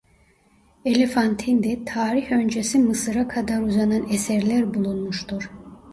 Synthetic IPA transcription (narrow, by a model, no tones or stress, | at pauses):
elʲefant̪ʰind̪ɛt̪ʰaːɾiçø̞nd͡ʒesimɯsɯɾakʰad̪aɾuzananesɛɾlʲæɾbulˠunmuʃt̪uɾ̥